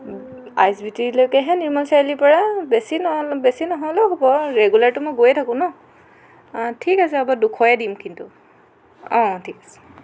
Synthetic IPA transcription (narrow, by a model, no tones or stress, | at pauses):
a̰jsbitilojkɛɦɛ̃niɹmansajlipɔɹabesinɔbesinɔɦɔjlɔɦobɔɹeɡulaɹtʊmojɡojɛtʰakʊ̃nɔ | tʰikas̬ɛabadukʰɔjadimkintʊ | ɔ̃tʰikḁsɛ̥